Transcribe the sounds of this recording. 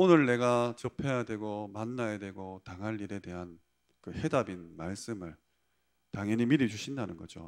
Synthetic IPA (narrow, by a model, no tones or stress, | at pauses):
onɯɭne̞ɡat͡ɕʌpʰe̞jadwe̞ɡomanːajedwe̞ɡotaŋɦaʎːiɾe̞de̞ɦan | kɯhe̞dabinmaɭs͈ɯmɯɭ | taŋɦʌɲimiɾid͡ʑuɕʰindanɯnɡʌ̰d͡ʑo̰